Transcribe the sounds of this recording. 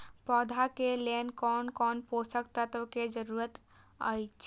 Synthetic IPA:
pɔd̪ʱakelenkɔnkɔnposəkt̪at̪əked͡ʒəɾuɾət̪ | ə̰jt͡ʃʰ

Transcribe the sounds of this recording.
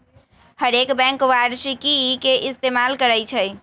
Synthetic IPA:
həɾekbɛ̃ŋkwaɖsikikeʔist̪emalkəɾəjt͡ʃʰəj

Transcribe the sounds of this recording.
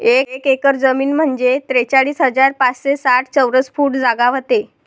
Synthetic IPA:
ekekekəɾd͡zəmiːnm̤əɳd͡zet̪ɾet͡saɭiːsɦəd͡zaɾpat͡sɕesaʈ̚ʰt͡səwɾəsfuːʈd͡zaɡaʋət̪e

